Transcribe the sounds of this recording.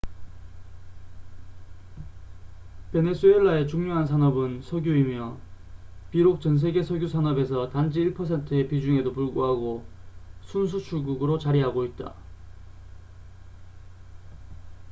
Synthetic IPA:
pe̞ne̞s͈ueɭːae̞t͡ɕuŋɲoɦans̬ʰanʌbɯnsʰʌɡjuimjʌ | piɾok̚t͡ɕʌns̬ʰe̞ɡe̞sʰʌɡjusʰanʌbe̞sʰʌtand͡ʑiːɭpʰʌs̬ʰe̞ntʰɯe̞pid͡ʑuŋe̞dopuɭɡoɦaɡo | sʰuns̬ʰut͡ɕʰuɭɡuɡɯɾot͡ɕaɾiɦaɡoit̚t͈a̰

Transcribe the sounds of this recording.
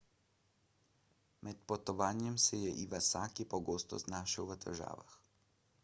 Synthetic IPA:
mɛt̪pɔt̪ɔʋaːnjɛmsɛjɛʔiʋasaːkipɔɡoːst̪ɔ̰znaːʃiwʋət̪ɛ̰ɾʒa̰ːʋa̰x

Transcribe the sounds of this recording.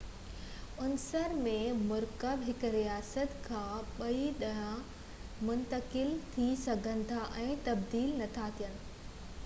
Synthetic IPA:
ʊnsəɾmẽmʊɾkəbɦɪkɾijaːsət̪kʰãːɓɐiɗɐɦã | mʊ̃nt̪əkɪlt̪ʰisɐɡʱə̃nɪ̆t̪ʰaʔɛ̃ːt̪ɐbd̪iːlnɐt̪ʰat̪ʰijənɪ̆

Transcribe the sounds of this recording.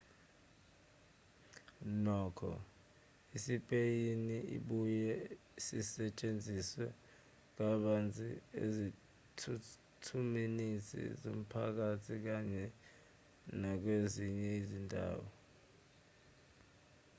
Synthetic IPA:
nɔːkʰɔ̰ | isipʼejiniḭɓujɛ | isisɛt͡ʃʼend͡zʱiswɛ | k̬aɓand͡zʱiḛzi | tʰu | tʰuminisḭzom̩pʰak̬atʰik̬aɲɛ | nak̬weziɲɛizindʱa̰ːwɔ

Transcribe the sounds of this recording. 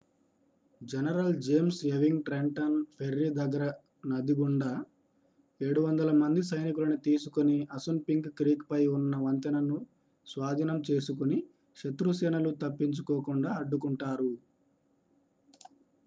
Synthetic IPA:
d͡ʒenɐɾɐld͡ʒe̞ːmseʋiŋɡʈɾeɳʈɐnpʰeɾːid̪ɐɡːɐɾɐ | nɐd̪iɡuɳɖɐ | e̞ːɽuʋɐnd̪ɐlɐmɐnd̪is̬ɐjnik̬ulɐnut̪iːsukoniɐsunpiŋkːɾiːkpɐjunːɐʋɐnt̪ɐnɐnu | sʋaːd̪ʱinɐmt͡ʃeːsukuni | ʂɐt̪ɾusɐnɐlut̪ɐpːiɲt͡ʃukoːkuɳɖaːɐɖːukuɳʈaːɾu

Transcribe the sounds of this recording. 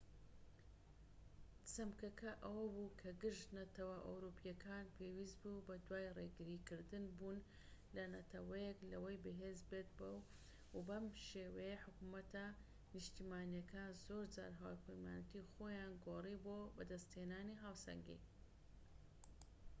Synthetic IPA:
sɐmkɐkʰɐʔɐwɐbukʰɐɡɨʃd̪nɐt̪ɐwɐʔɐ̰wɾupʰijɐkʰaːnpʰewiːst̪bubɐd̪waːjreɡɨɾikɨɾd̪ɨnbuːn | lɐnɐt̪ʰɐwɐjeklɐwɐjbɨɦeːzbet̪̚bɐw | bɐmʃeːwɐjeħʊkumɐt̪ɐ | nɨʃt̪imaːnijɐkʰaːnzoːɾd͡za̰ɾɦaːwpʰɐjma̰ːnɐt̪ixoːjaːnɡoːribobɐd̪ɐst̪heːnaːniɦaːwsɐ̰ŋɡḭ

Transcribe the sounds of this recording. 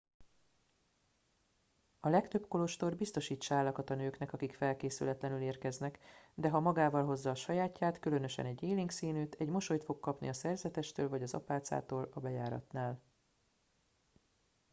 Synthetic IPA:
ɒlɛkt̪øpko̞lo̞ʃt̪o̞rbist̪o̞ʃiːt͡ʃːɒaːlːɒkɒt̪ɒnøːknɛkɒkikfɛlkeːsy̰lɛt̪lɛnyleːrkɛznɛkd̪ɛɦɒmɒɡaːvɒlɦo̞zːɒːʃɒjaːcːaːt̪kylø̞nø̞ʃɛ̰nɛɟːeːliŋksiːnyːt̪ʰɛɟmo̞ʃo̞jt̪fo̞kkɒpnḭɒsɛrzɛt̪ɛʃt̪øːlvɒɟɒzɒ̰paːt̪sa̰ːt̪oːlɒbɛjaːɾɒ̰t̪naːl

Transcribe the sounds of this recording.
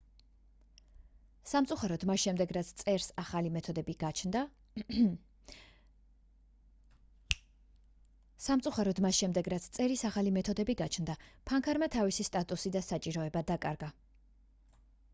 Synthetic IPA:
samt̪sʼuχaɾɔd̪masʃɛmd̪ɛɡɾat̪sʰt̪sʼɛɾsaχalimɛt̪ʰɔd̪ɛbiɡd̪ | samt̪sʼuχaɾɔd̪masʃɛmd̪ɛɡɾat̪sʰt̪sʼɛɾisaχalimɛt̪ʰɔd̪ɛbiɡat͡ʃʰnd̪apʰaŋkʰaɾmat̪ʰavisist̪ʼat̪ʼusid̪asat͡ʃʼiɾɔɛbad̪akʼaɾɡa

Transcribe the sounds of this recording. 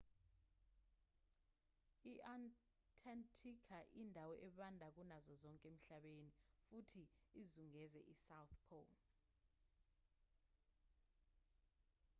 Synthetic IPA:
iʔan | tʰʼantʰikʰaʔindʱawɔʔɛɓandʱak̬unazɔzɔŋkʼem̩ɬaɓenifutʰiːzuŋɛzɛ̰ʔisawθpʰɔ̰l

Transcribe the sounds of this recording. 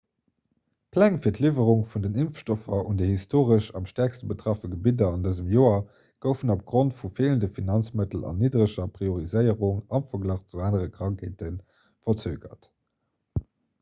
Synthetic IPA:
kʰlæŋfiːɐtlivəʁuŋfundənimfʃtofɐundəhistʰoːʁəʃɑmʃtæɐkstəbətʁ̥ɑfəɡəbidɐɑndəzəmjoːɐ | ɡ̥əʊfənop̚ɡ̥ʁontfufeːləndəfinɑnt͡smətəl̩ɑ̰nːiːdʁəʃɐpʁ̥ioʁizəɪəʁuŋɑmfɐɡlɑχt͡suaːnəʁəkʁɑŋkʰeːtən | fɐt͡søːɡɐ̰t

